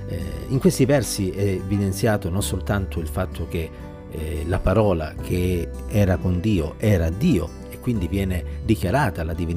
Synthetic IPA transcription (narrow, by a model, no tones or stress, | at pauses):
iŋkwest̪ivɛrsiɛvid̪ent̪sjaːt̪ononsolt̪ant̪ʰoilfat̪ʰːok̟e | lapaɾɔːla̰kʰe | ɛːɾakond̪iːoʔɛːɾad̪iːo | ekːwind̪ivjɛːned̪ikjaɾaːt̪alad̪ivin